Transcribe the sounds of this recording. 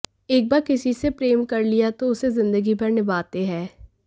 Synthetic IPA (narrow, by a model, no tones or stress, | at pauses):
eːk̚baːɾkɪsisepɾeːmkɐɾlijat̪oʊsezɪ̃nd̪əɡibɐɾnɪbaːt̪eɦɛː